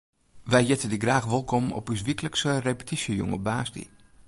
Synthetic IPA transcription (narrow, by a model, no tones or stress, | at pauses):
ʋɛjjɪtədiɡraːxʋɔlˠkɔmɔ̰pys̬ʋikələksərepə̥tʰisjəjɔ̰ŋə̰baːsdḭ